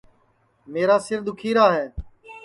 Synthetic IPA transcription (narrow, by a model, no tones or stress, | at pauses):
meːɾaːsɪɾd̪ʊkʰiːɾaːɦɛː